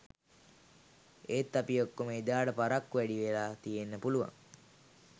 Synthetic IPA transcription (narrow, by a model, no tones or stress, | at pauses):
eːt̪ːapijokːoməid̪aːɖəpaɾakːuʋɛɖiʋelaːt̪ijenːəpuluʋa̰ŋ